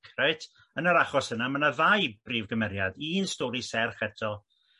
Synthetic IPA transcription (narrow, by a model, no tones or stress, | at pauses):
kʰrɛɨtʰ | ənəɾaχɔsənamənavajb̥riːvɡəmɛɾjadinstɔɾisɛrχɛtʰɔ